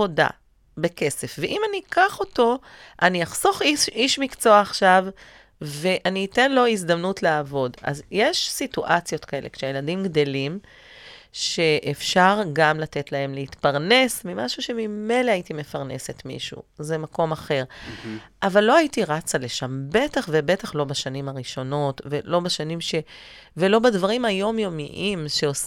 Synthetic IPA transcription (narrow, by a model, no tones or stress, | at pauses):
oda̰ | beke̞se̞fveʔimanikaχo̞to̞ʔaniaχso̞χiiʃmikt͡so̞aːχʃav | ve̞ʔaniːte̞nlo̞izd̪amnutleaːvo̞da̰zjeʃsituʔat͡sjo̞t̪kae̞le̞̰kʃejeladimɡdo̞lim | ʃe̞ʔefʃaʁɡamlate̞tlae̞mleitpaʁne̞smimaʃuʃe̞mime̞jleaitime̞faʁne̞se̞t̪mḭʃṵzemako̞maχe̞ʁʔavalːo̞aitiʁat͡saleʃambe̞taχve̞be̞taχlo̞baʃanimaʁiʃo̞no̞tvelo̞baʃanimʃe̞ | ve̞lo̞badvaʁimajo̞mjo̞miʔimʃe̞os